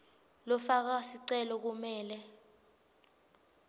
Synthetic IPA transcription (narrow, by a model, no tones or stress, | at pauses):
lɔfak̬asiǀɛlɔk̬umɛːlɛ